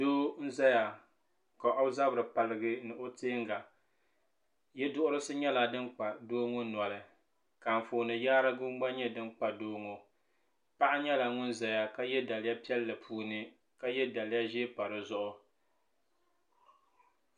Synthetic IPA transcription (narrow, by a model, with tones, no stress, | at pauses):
doː˦n̩˦za˦ja˨ | ka˨ʔo˦za˦bɾɨ˨pa˨lɨ˦˨ɡɨ˦nɨ˨ʔo˦teː˦ŋɡa˨ | jɛ˦dʊ˦ʔʊ˦ɾɨ˦sɨ˦ɲɛ˦la˨dɨ˦nk͡pa˨doː˦ŋʊ˦na˨lɨ˨ | ka˨ɱ̩˨foː˨nɨ˨jaː˦ɾa˦ɡʊ˦m˦ɡ͡ba˦ɲɛ˦dɨ˦nk͡pa˨doː˦ŋo˨ | pa˦ʔa˦ɲɛ˦la˨ŋʊ˦nza˨ja˨ka˦jɛ˦da˨lɪ˦ja˦pi˦ɛ˦lːɨ˨pʰuː˨˦nɨ˦ | ka˦jɛ˦da˨lɪ˦ja˦ʒe˦pa˨ɾɨ˨zʊ˦ʔʊ˦